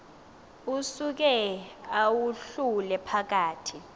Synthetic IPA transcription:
usuk̬ɛawuɬulɛpʰak̬aːtʰi

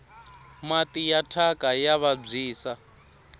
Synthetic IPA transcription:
matijatʰakʼajaβab͡ʐiːsa

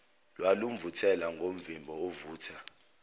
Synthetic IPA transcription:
lwalum̩vutʰɛlaŋɡʱom̩vimbʱɔɔvuːtʰa

